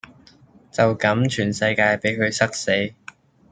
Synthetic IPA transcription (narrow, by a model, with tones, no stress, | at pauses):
t͡sɐ˨wkɐ˨˥mt͡ʃʰyː˨˩nsɐ˧jkaː˧jpe˨˥jkʰɵ˨˧ɥsʰɐ˥k̚se˨˥j